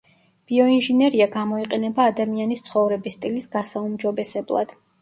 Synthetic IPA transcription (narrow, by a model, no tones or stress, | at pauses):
b̥iɔinʒinɛɾiaɡamɔiqʼɛnɛbaːd̪amianist̪sʰχɔvɾɛbist̪ʼilisɡ̥asaumd͡ʒɔbɛsɛblˠa̰d̪̥